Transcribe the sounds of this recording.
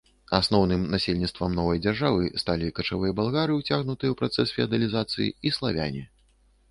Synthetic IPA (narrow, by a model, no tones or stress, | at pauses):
asnɔwnɨmnasʲelʲnʲit̪st̪vɐmnɔvɐjd͡zʲarʐavɨst̪alʲikɐt͡ʂavɨjɐbalˠɣaɾɨwt͡sʲaɣnut̪ɨjɐwpɾat̪sɛsfʲiɐd̪ɐlʲizat̪sɨjḭislˠavʲa̰nʲi